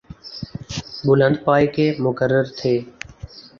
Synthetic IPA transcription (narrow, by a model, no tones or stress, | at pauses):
bʊlənd̪paːikeːmʊkəɾːəɾt̪ʰeː